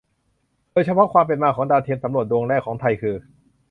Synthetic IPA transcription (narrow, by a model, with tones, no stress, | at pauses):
doː˧jt͡ɕʰa˧˥pʰɔ˦˥kʰwaː˧mp̬e˨nmaː˧kʰɔː˩˦ŋdaː˧t̪ʰe˧nsa˩˦mɾu˨˩ət̪̚do˧ŋɾɛː˥˩kʰːɔː˩˦ŋt̪ʰa˧jkʰɯː˧